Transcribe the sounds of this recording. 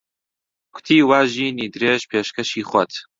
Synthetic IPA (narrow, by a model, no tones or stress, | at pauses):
kʰʷʊ̥t̪ʰiːwaːʒiːniːd̪ɨɾeːʒpʰeːʃkɐʃiːχʷɐt̪